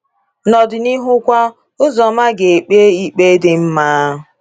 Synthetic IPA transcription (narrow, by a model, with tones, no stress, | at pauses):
nɔ˨dɪ˨ni˦ɦʊ˦kʷa˦ | ʊ˦zɔ˨ma˦ɡe˨e˨k͡pe˦i˦k͡pe˦dɪ˦m̩˦ma˦ɦʊ˨